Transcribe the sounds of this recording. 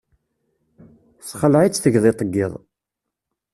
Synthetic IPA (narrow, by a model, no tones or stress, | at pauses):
sχəlʕit͡sːθəʝðˤet̪ˤːəɡːɪðˤ